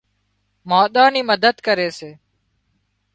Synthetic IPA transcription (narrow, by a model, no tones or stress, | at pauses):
maːɗ̪ãːniːməd̪əd̪kəɾeːseː